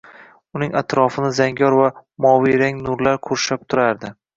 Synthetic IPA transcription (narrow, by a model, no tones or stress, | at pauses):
ʊnɪŋat̪ɾɒfɪnɪzaŋɡʲɒɾvamɒwiɾaŋnʊɾlaɾkʰʊɾʃap̚t̪ʰʊɾaɾd̪ɪ